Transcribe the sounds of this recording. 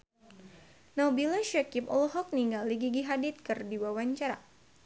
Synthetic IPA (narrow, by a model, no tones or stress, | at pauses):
nabilaʃakipɔ̰lɔɦɔk̚niŋɡalːiɡiɡiɦadit̪̚kɨrdiwawaɲt͡ʃaɾa̰